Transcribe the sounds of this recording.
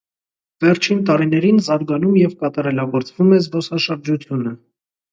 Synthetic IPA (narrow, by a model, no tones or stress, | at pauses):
vɛɾt͡ʃʰint̪̬ɑɾin̪ɛɾinzɑɾɡɑnumjɛvkɑt̪ɑɾɛlɑɡɔɾt͡svumɛzbɔsɑʃəɾd͡ʒut͡s̪ʰjunə